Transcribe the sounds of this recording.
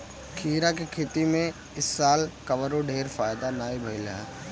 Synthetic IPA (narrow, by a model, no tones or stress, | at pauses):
kʰiːɾakekʰeːt̪imẽ | ɪsːaːlkɐʋəɾoɖʱeːɾfaːjd̪anaːibʱɐɪlɦɛː